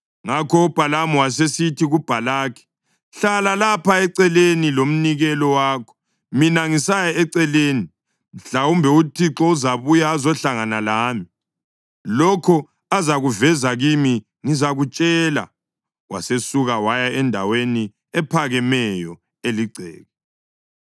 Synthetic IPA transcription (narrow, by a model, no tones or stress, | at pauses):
ŋakʰɔub̥ʱalamɔwas̬esitʰiɣub̥ʱalaːkʰɛ̥ | ɬalalapaɛǀɛlenilom̩niɣɛlɔwaːkʰɔ̥ | minaŋisajaɛǀɛleːni | ɬawumbʱɛutʰiǁɔuzaβujaːzɔɬaŋanalaːmi | lɔkʰɔ | azaɣuvɛzaɣimi | ŋizaɣut͡ʃʼɛla̰ | wa̰sesuɣawajaɛndʱaweni | ɛpʰaɣɛmɛjɔ | eliɡ͡ǀʱɛ̰ːɣɔ